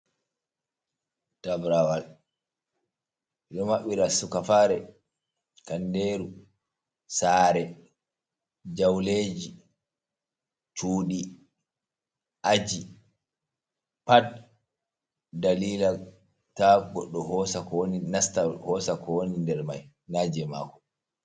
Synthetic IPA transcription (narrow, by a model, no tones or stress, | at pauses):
tabɾawal | ɗɔmaɓːiɾasukafaːɾɛ | kandeːɾu | saːɾɛ | d͡ʒawleːd͡ʒi | t͡ʃuːɗi | ʔad͡ʒi | pad̚ | daliːla | taɡɔɗːɔhɔsakninastahɔsakʰɔwonindɛɾma̰j | nad͡ʒɛma̰kɔ̥